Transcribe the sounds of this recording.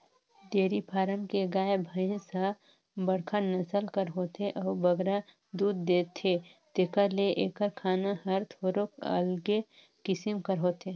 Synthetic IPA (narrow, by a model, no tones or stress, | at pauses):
d̪eːɾipʰaːɾəmkeɡaːebʱəɪnsa | bəɽkʰəɾnəsəlkəɾɦoːt̪eʔɔːbəɡɾa | d̪uːd̪ːeːt̪ʰet̪eːkəɾleʔeːkəɾkʰaːnahəɾt̪ʰoːɾokə̰lɡe | kɪsimkəɾɦoːt̪eː